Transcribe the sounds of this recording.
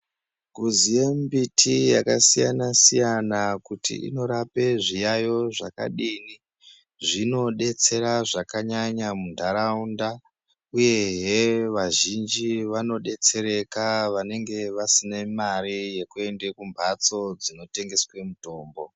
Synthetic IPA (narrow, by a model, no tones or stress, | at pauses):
ɡuziembitʰijakasijanasijanakutḭʔḭno̞ɾape̞ʐijajo̞ʐa̰ka̰ɗiːni | ʐino̞ɗe̞t͡se̞ɾaʐakaɲaɲamundʱaɾaunda | uje̞ɦeʋaʒind͡ʒiʋano̞ɗe̞t͡se̞ɾe̞kaʋane̞ŋɡe̞ʋasinemaɾije̞kue̞ndekumbʱat͡so̞d͡zino̞te̞ŋɡe̞swe̞muto̞ːmbo̞